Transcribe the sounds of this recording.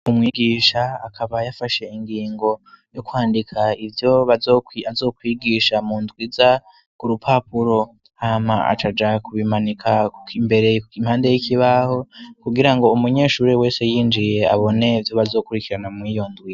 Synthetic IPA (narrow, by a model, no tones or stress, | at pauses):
umŋiːɡiːʃaːkʰaβajafaʃe̞iŋɡiːŋɡo̞ | jokwaːndikʰaivjo̞βazoiazo̞ːkwiːɡiːʃamuːndɡwiza | kuɾupʰapuɾo̞ | hamaa̰t͡ʃad͡ʒakuβimanikʰaimbe̞ɾe̞im̥haːnde̞jikiβaho̞kuɡiɾaŋɡo̞umuɲe̞ːʃuːɾewe̞ːse̞jiːnd͡ʒije̞a̰βo̞ne̞vjo̞βazo̞ːkuɾikiɾanamwiːjo̞ndɡwi